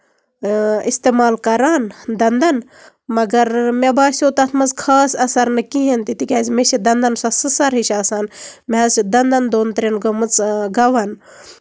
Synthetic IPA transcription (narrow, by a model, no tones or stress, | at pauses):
ist̪eːmaːlkɐɾaːnd̪ɐnd̪ɐn | mɐɡɐɾmebaːsʲot̪ɐt̪ʰmɐzkʰaːsɐsɐɾnɨkiɦent̪it̪ikʲaːzmeʃid̪ɐnd̪ɐnsɐsɨsɐɾɦiʃʲaːsaːnmeɐzid̪ɐnd̪ɐnd̪oːnt̪ɾenɡomɨt͡sɡɐʋɐn